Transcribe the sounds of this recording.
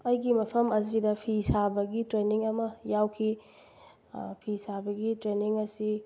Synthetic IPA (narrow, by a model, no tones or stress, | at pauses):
ɐjɡimɐpʰɐmɐzidɐpʰisabɐɡitɾeniŋɐmɐjawkʰi | pʰisabɐɡitɾeniŋɐsi